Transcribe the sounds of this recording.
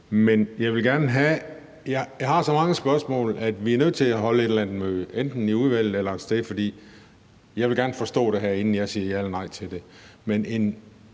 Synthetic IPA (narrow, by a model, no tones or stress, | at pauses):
menjɑ̈ɪʋe̝lɡ̥æɐnəɦæ | jɑɪjɑ̈ɪɦɑ̈sɒ̽mɑ̈ŋəsb̥ɶɐsmɔ̰̽ːlæd̥ʋiæɐnøð̞̰ˠt͡sʰe̝læɦɒ̽ləe̝ɾɐlænð̥̩møend̥n̩iuðˠʋæl̰ð̩ˠelɐsd̥eðfɒ̽d̥ḭː | jɑɪʋe̝lɡæɐnəfɒ̽sd̥ɔ̰̽ːɾ̥e̝ɦæɐ̰e̝nn̩jɑ̈ɪsiːɐjælənɑ̈ɪt͡sʰe̝ld̥e̝ | menʔe̝n